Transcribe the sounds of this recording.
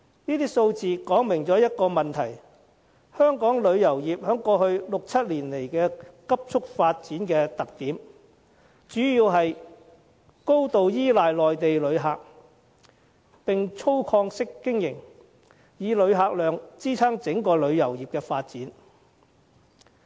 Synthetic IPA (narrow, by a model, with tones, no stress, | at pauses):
niː˥t̪iː˥so˧wt͡siː˨kɔː˨˥ŋmɪ˨˩ŋt͡sɔː˨˥jɐ˥t̚kɔː˧mɐ˨nt̪ʰɐ˨˩j | hœː˥ŋkɔː˨˥ŋlɵ˨˧ɥjɐ˨˩wjiː˨p̚hœː˨˥ŋkɔː˧hɵ˧ɥlʊ˨k̚t͡sʰɐ˥t̚liː˨˩nle˨˩jkɛː˧kɐ˥p̚t͡sʰʊ˥k̚faː˧t̚t͡siː˨˥nkɛː˧t̪ɐ˨k̚t̪iː˨˥m | t͡ʃyː˨˥jiː˧wɦɐ˨j | ko˥wt̪o˨wjiː˥laː˨jlɔː˨jt̪e˨jlɵ˨˧ɥɦaː˨k̚ | pɪ˨ŋt͡ʃʰo˥wkʰɔː˧ŋsɪ˥kːɪ˥ŋjɪ̰˨˩ŋ | jiː˨˧lɵ˨˧ɥɦaː˨k̚lœː˨ŋt͡siː˥t͡sʰaː˥ŋt͡sɪ˨˥ŋkɔː˧lɵ˨˧ɥjɐ˨˩wjiː˨˩p̚kɛː˧faː˧t̚t͡siː˨˥n